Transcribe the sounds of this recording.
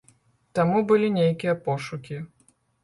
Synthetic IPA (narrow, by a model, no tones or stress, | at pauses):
t̪amubɨlʲinʲejkʲijɐpɔʂukʲi